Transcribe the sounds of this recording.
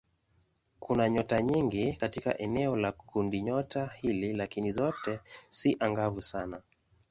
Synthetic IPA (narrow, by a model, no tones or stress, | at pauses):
kʰunaɲɔtaɲiŋɡikatika̰ʔɛnɛɔlakʰundiɲɔtahililakinizɔtɛsiʔaŋɡavusana